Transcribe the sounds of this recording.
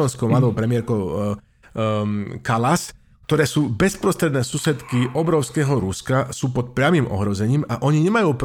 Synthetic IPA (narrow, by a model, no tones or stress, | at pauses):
ɔnskɔmald̪bɔpɾɛmɪɛɾkɔ | kalas | k̚t̪ɔɾɛːsuːbɛspɾɔst̪ɾɛd̪nɛːsuːsɛt̪kiʔɔbɾɔʊskɛːɦɔɾuskasuːpɔt̪̚pɾɪamimɔ̰ɦɾɔzɛɲiːmaʔɔɲiɲɛmajuːp